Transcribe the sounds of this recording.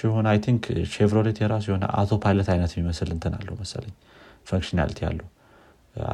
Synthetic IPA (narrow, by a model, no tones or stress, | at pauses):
jɛho̞najt̪ʰiŋkʰʃevɾoɾet̪jɛɾas̬jɛho̞nə̰ʔa̰t̪ʰo̞pʰajlət̪ajnət̪jɛmːiməsɨlɨnt̪ʰɨna̰lːəhwməsə̰ləɲː | fəŋkʃina̰lt̪ʰija̰lːə